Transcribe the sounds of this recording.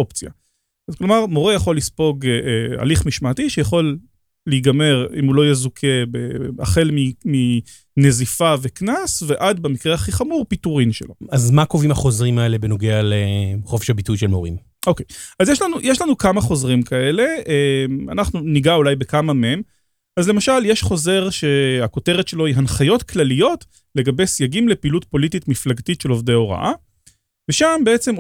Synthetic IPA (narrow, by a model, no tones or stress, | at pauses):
o̞pt͡sia̰ | zklo̞maʁmo̞ʁejaχo̞lːispo̞ɡa̰liχmiʃmaːtiʃejaχo̞lː | eɡame̞ʁḭmulo̞jezukʰe̞bḛa̰χe̞lmimi | nezifaveknasve̞ʔad̪bemikʁeaχiχamuʁpituʁinʃelo̞̰azmako̞vimaχo̞zʁimaelebeno̞ɡealeχofe̥ʃhabitujʃelmo̞ʁḭm | ʔokejazjeʃlanujʔeʃlanukamaχo̞zʁimkʰae̞le̞ema̰naχnuniɡaulajbe̞kamamem | ʔazle̞maʃaljeʃχo̞ze̞ʁʃe̞ako̞te̞ʁetʃe̞lo̞iɦanχajo̞tklalijo̞t | le̞ɡabe̞jsjaɡimle̞piːlut̚po̞lititmiflaɡtitʃe̞lo̞vdeoʁa̰ʔa̰ | veʃambeet͡se̞m